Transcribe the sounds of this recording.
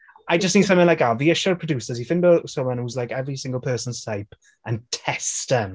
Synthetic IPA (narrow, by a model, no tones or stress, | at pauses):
aɪd͡ʒʌstniːd̥sʌ̃mθɪ̃ŋlajkaviɪʃəɹpʰɹ̥ədjʉsəz̥ifɪ̃ndəsomə̃nhuzlajkɛvɹisɪ̃ŋɡəlˠpʰɜːˑsə̃nz̥tʰaɪp | ʔə̃ntʰɛstə̃m